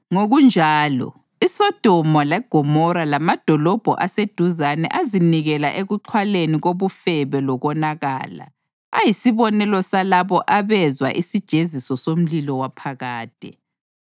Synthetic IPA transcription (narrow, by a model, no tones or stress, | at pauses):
ŋoɣund͡ʒʱaːlɔ̰ | isɔd̥ʱɔmɔlɛɡ̥ʱɔmɔɾalamad̥ʱɔlɔb̥ʱɔ̰ʔased̥ʱuzanɛ̰ʔaziniɣɛlaʔeɣuǃʰwaleniɣoβufɛβɛlɔɣɔnaɣa̰ːla̰ | ajisiβɔnɛlɔsalaβɔʔaβɛzwa̰ʔisid̥ʒ̥ʱezisɔsom̩lilɔwapʰaɣaːd̥ʱʼɛ̰